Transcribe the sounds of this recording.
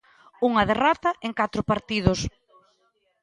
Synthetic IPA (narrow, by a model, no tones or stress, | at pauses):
uŋɐð̞erɔt̪ɐʔeŋkat̪ɾʊpaɾt̪ið̞ʊs